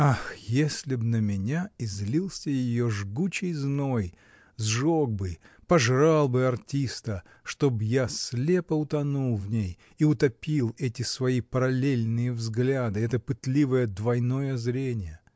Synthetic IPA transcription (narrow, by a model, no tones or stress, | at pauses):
axjesʲlʲɪbnəmʲɪnʲaɪzʲlʲilˠsʲəjɪjoʐɡut͡ɕɪjznoj | zʐoɡ̚bɨj | pɐʐralˠbɨɐrtʲist̪ə | ʂt̪o̞bjasʲlʲepəʊt̪ɐnulˠvnʲej | iʊt̪ɐpʲilˠɛtʲɪsvɐipəɾɐlʲelʲnɨjəvzɡlʲad̪ɨɛt̪əpɨt̪lʲivəjəd̪vɐjno̞jəzɾʲenʲɪjə